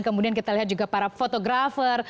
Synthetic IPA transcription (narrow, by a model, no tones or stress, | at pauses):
nkəmudiankit̪aliɦat̪̚d͡ʒuɡapaɾafot̪oɡɾafər